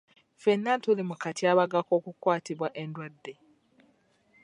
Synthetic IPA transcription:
fenːantolemukatʰjaːβaɡako̞ːkukwaːtiβwaʔe̞ndwad̪ːe̞

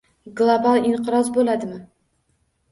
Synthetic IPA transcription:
ɡlˠobalˠiɴqʰɨɾɒzbolad̪ɪmɪ

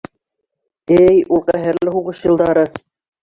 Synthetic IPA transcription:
ɘjulˠqæɦɘ̆ɾlɘɦuʁɤʃjɤ̆lˠd̪ɑɾɤ

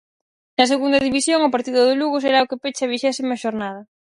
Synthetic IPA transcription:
nɐs̬eɣund̪ɐðiβisjoŋʊpaɾt̪iðʊðɪluɣʊseɾaokepet͡ʃaβ̞iʃɛsimaʃoɾnað̞ɐ

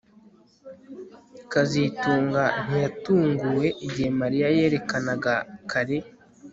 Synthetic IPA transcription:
kazituːŋɡan̥ijatuːŋɡuwe̞ʔiɟihe̞maɾijaje̞ːɾe̞kanaɡakʰaɾe

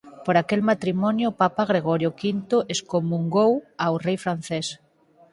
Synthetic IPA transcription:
poɾakelmat̪ɾimɔnjopapaɣɾeɣ̞ɔɾjokint̪oʔeskomuŋɡowawrejfɾanθes

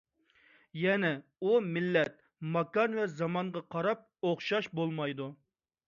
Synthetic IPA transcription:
jɛnɛumɪlːɛt̪̚ | mɑkɑnvɛzɑmɑɴʁɑqʰɑɾɑp̚oχʃɑʃbolˠmɑjd̪u

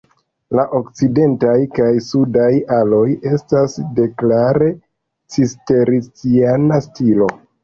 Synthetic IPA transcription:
laʔo̞kt͡side̞ntajkajsudajalo̞je̞stasde̞klaɾe̞ | t͡siste̞ɾit͡sianastilo̞

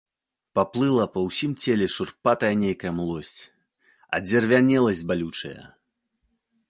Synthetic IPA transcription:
paplˠɨlˠɐpɐwsʲimt͡sʲɛlʲɛʂurpat̪ɐjɐnʲejkɐjɐmlˠɔsʲt͡sʲ | ɐ̰d͡zʲɛrvʲanʲɛlˠɐzʲd͡zʲbalʲut͡ʂɐ̰jɐ̰

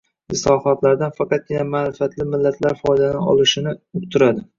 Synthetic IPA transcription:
ɪslɒhɒt̪laɾd̪anfɑqɑt̪̚kʲɪnamaɾɪfat̪lɪmɪlːat̪ʰlaɾfɒjd̪anɪɒ̰lˠɪʃɪnɪʊqt̪ʰʊɾad̪ɪ

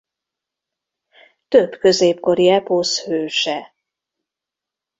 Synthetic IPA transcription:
t̪ø̞b̥kø̞zeːpko̞ɾiɛposhøːʃɛ

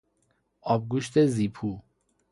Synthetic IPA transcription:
ɒːb̚ɡuːʃt̪ʰeziːpʰuː

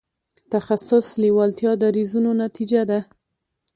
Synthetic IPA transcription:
t̪axasʊsliwɑlt̪jɑd̪aɾizunonat̪id͡ʒad̪a

